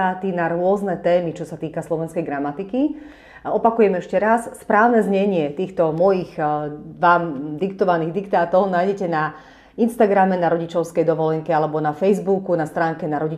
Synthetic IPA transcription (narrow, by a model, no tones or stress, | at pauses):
aːt̪inaɾʊɔznɛt̪ɛːmit͡ʃɔsat̪iːkaslɔʋɛnskɛjɡɾamat̪iki | ɔpakujɛmɛʃcɛɾasːpɾaːʊnɛzɲɛɲɪɛt̪iːxt̪ɔmɔjiɣʋaːmd̪ikt̪ɔʋaniːɣd̪ikt̪aːt̪ɔʊnaːjɟɛcɛna | inst̪aɡɾamɛnaɾɔɟit͡ʃɔʊskɛjd̪ɔʋɔlɛŋkɛalɛbɔnafɛjzbukunast̪ɾaːŋkɛnaɾɔɟi